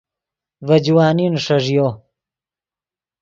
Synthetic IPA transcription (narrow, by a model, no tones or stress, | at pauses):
vɐd͡ʑwaːninʂɐʐjo